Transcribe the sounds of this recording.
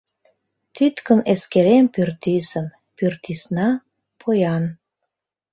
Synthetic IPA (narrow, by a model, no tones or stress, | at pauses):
t̪yt̪kəneskeɾempyrt̪isəm | pyrt̪isnɑ | pʰojɑn